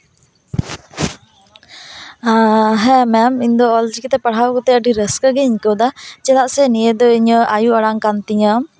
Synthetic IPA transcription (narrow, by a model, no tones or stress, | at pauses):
aɦɛmɛmiɲd̪ɔɔld͡ʒikit̪ɛpəɽ̤awkɔt̪ɛəɖiɾəskəɡɛiɲkəwd̪at͡ʃɛd̪aʔsɛnijed̪ɔiɲəajuəɽaŋkant̪iɲə